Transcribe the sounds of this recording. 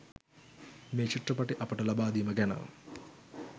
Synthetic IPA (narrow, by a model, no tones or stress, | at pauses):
meːt͡ʃiʈrɐpɐʈiʔɐpɐʈɐlɐbaːd̪ijmɐɡɛna̰